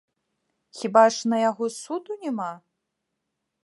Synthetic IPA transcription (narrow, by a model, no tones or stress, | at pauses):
xʲibaʂnɐjaɣɔsud̪unʲɛma